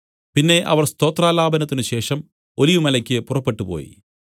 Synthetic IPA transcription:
pinːe̞ʔɐ̰ʋɐrst̪o̞ːt̪raːlaːbɐnɐt̪ːinɨɕe̞ːʂɐm | o̞liʋumɐlɐkʲːɨpurɐpːe̞ʈːupo̰ːjḭ

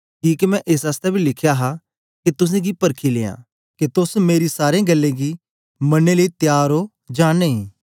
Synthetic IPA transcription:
kiːkemɛ̃ʔeːs̬aːst̪ɛbʱilɪkʰjaɦa | ket̪ʊs̬ẽɡipɐɾkʰilḛːã̰ | ket̪ʊsmeːɾisaːɾẽɡɐlːeɡi | mɐnːeləit̪jaːɾo | d͡ʒaːneĩː

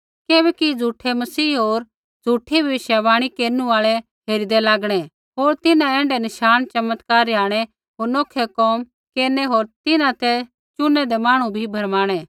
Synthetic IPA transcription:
keːbɛːkid͡zʱuːʈʰɛmɐsiːɦoːɾ | d͡zʱuːʈʰibʱɐɪʃjaʋaːɽ̃ikeːɾnuaːɭɛ | ɦeːɾid̪ɛlaːɡɽ̃ɛ | ɦoːɾt̪ɪnãɛ̃ːɳɖɛnɪʃaːnt͡ʃɐmət̪kaːɾaːɽ̃ɛ | ɦoːɾnɔːkʰɛkɔːm | keːɾnɛɦoːɾt̪ɪnãt̪ɛ | t͡ʃʊnɛd̪ɛmãːɽ̃ũbʱibʱɐɾmaːɽ̃ɛː

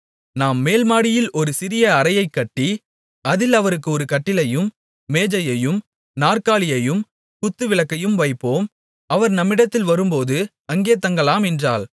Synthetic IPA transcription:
naːmːeːlmaːɽɪjɪlʔɔɾɯsɪɾɪjɐɐɾɐjɐɪkːɐʈːi | ɐðɪlɐʋɐɾɯk̬ːɯɔɾɯkɐʈːɪlɐjɯmː | eːd͡ʒɐjɐjɯm | naːrkaːɭɪjɐjɯm | kʊt̪ːɯʋɪlɐkːɐjɯmʋɐɪpːoːm | ɐʋɐɾnɐmːɪɽɐt̪ːɪlʋɐɾɯmpoːðɯ | ɐŋɡeːt̪ːɐŋɡɐlaːmɛndraːl

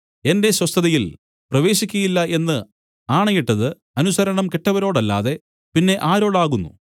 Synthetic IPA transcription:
e̞nde̞ɕwɐst̪ʰɐðɐjil | prɐʋe̞ːɕikʲːujilːɐe̞nːɨ | aːɳɐjiʈːɐðɨ | ɐnusɐɾɐɳɐmke̞ʈːɐʋɐɾo̞ːɽɐlːa̰ːðe̞ | pinːe̞ʔaːɾo̞ːɽaːɣunːṵ

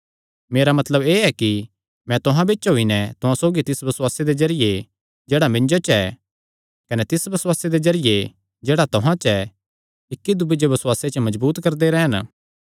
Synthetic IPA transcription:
meːɾamɐt̪ləbeːɛki | mɛ̃t̪ʊɦãbeːt͡ʃɦoːinɛ̃t̪ʊɦãsoːɡit̪ɪsbɐsʊwaːsed̪ezɐɾɪje | d͡ʒeːɽamɪ̃nd͡ʒot͡ʃɛ | kɐnɛt̪ɪsbɐswaːsed̪ezɐɾɪje | d͡ʒeːɽat̪ʊɦãt͡ʃɛ | ɪkːid̪ʊbid͡ʒeʋɐswaːset͡ʃəmɐd͡ʒbuːt̪kɐɾd̪eɾɛːən

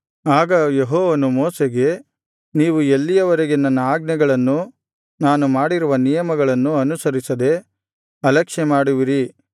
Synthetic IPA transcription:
aːɡɐjeɦɔːʋɐnumɔːseɡe̞ | niːʋuelːijɐʋɐɾeɡe̞nɐnːɐaːɡnɐɡɐɭɐnːu | naːnumaːɽiɾuʋɐnijɐmɐɡɐɭɐnːuɐnusɐɾisɐd̪e̞ | ɐlɐkʂɛmaːɽuʋiɾi

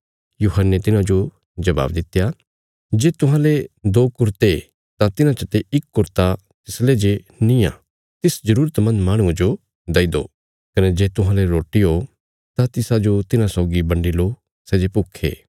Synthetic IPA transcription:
juːɦənːet̪ɪnãd͡ʒo | d͡ʒɐba̰ːbd̪ɪt̪ːja | d͡ʒeːt̪ʊɦãled̪oːkʊɾt̪e | t̪ãt̪ɪnãt͡ʃɐt̪eɪkːʊɾt̪a | t̪ɪsled͡ʒe | nĩã̰ː | t̪ɪsd͡ʒɐɾuːɾət̪mɐ̃nd̪maːɽ̃ũd͡ʒo | d̪ɐid̪o̰ː | kɐned͡ʒeːt̪ʊɦãleɾoːʈiɦo | t̪ãt̪ɪsad͡ʒot̪ɪnãsɔːɡibɐ̃ɳɖiloː | sɛːd͡ʒepʊkʰːḛː

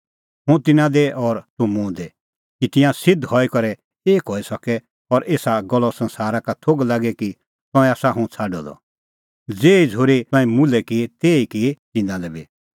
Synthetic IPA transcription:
ɦũt̪ɪnãd̪ɛʔɔɾt̪ʊ̃mũːd̪ɛ | kit̪ɪjãsɪd̪hɔikɔɾɛ | eːkɦɔisɔkɛ | ɔɾeːsaɡɔlɔsɐ̃nsaːɾakat̪ʰoɡlaːɡɛki | t̪ɔ̃ɛ̃aːsaɦũt͡sʰaːɖɔd̪ɔ̰ | d͡zeːid͡zʱoːɾeɔ̃ĩmulɛkit̪eːikit̪ɪnãlɛbi

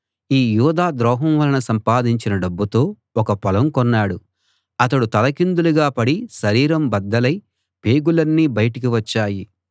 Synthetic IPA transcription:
iːjuːd̪aːd̪ɾɔːɦɐmʋɐlɐnɐsɐmpaːd̪iɲt͡ʃinɐɖɐbːut̪o̞ː | ɔkɐpɐlɐmkɔnːaːɽu | ɐt̪ɐɽut̪ɐlɐkind̪uluɡaːpɐɽiʃɐɾiːɾɐmbɐd̪ːɐlɐj | peːɡulɐnːiːbɐjɐʈɐk̬iʋɐt͡ʃːaːji

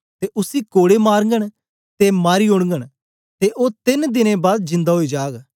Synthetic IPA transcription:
t̪eːʔʊsikoːɽemaːɾəŋɡəɽ̃ | t̪emaːɾiɦʊɽ̃ŋɡəɽ̃ | t̪eʔoːt̪ɪnd̪ɪnẽbaːd̪d͡ʒɪ̃nd̪aɦoid͡ʒaːɡ

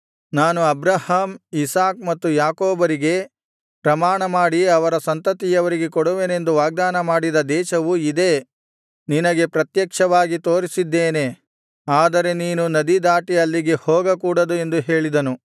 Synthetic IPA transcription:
naːnuɐbɾɐhaːmisaːk̚mɐt̪ːujaːkoːbɐɾiɡe̞ | pɾɐmaːɳɐmaːɽiɐʋɐɾɐsɐnt̪ɐt̪ijɐʋɐɾiɡe̞kɔɽuʋene̞nd̪uʋaːɡ̚d̪aːnɐmaːɽid̪ɐd̪ɛːʃɐʋuid̪e̞ | ninɐɡe̞pɾɐt̪jɐkʂɐʋaːɡit̪o̞ːɾisid̪ːeːne̞ | aːd̪ɐɾe̞niːnunɐd̪id̪aːʈijɐlːiɡe̞hɔːɡɐkuːɽɐd̪ue̞nd̪uɦe̞ːɭid̪ɐnu

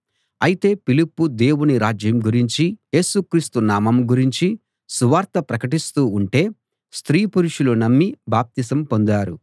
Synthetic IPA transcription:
ɐjit̪e̞ːpilipːud̪e̞ːwuniɾaːd͡ʒjɐmɡuɾiɲt͡ʃije̞ːsukɾiːst̪unaːmɐmɡuɾiɲt͡ʃi | suʋaːɾt̪ɐpɾɐkɐʈist̪uːɳʈe̞ː | st̪ɾiːpuɾuʂulunɐmːibaːp̚t̪isɐmpo̞nd̪aːɾu

